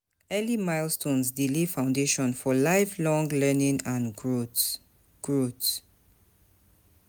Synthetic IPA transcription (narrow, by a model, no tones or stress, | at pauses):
ɛlimajlstõnsdilifãʊ̃ndeʃɔ̃nfɔlajflɔ̃ŋlɛnĩŋãn | ɡ̥ɹot